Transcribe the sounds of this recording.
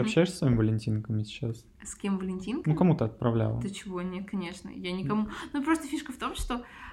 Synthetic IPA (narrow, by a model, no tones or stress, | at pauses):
ɐpɕːæjɪʂsʲvamimʲɪvəlʲɪnʲtʲinkəmʲɪsʲɪ̥t͡ɕːas | sʲkʲe̞mvəlʲɪnʲtʲinknukɐmut̪əɐt̪̚pɾɐvlʲa̰lˠə̰ət͡ɕɪvo̞nʲet̪̚kʰɐnʲe̞ʂnə̰janʲɪkɐmunupɾost̪əfʲiʂkəft̪o̞mʂt̪o̞